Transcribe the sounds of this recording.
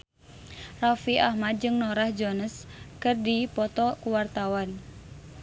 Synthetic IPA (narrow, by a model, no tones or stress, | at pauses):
rafiʔahmad̪̚d͡ʒɨŋnɔɾahd͡ʒɔnəskɨrdipɔt̪ɔkuwart̪awan